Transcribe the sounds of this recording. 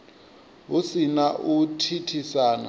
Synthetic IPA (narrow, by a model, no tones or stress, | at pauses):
ɦusinaʔutʰitʰisaːna̰